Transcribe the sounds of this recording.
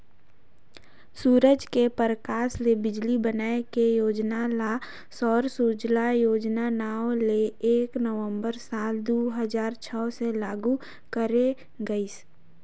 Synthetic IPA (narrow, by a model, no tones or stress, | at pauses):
suːɾəd͡ʒkepəɾəkaːslebɪd͡ʒlibənaːekejoːd͡ʒnala | sɔːɾsud͡ʒlajoːd͡ʒnanaːwleeːknəʋə̃mbəɾsaːld̪oːɦəzaːɾt͡ʃʰɔːselaːɡu | kəɾe | ɡəis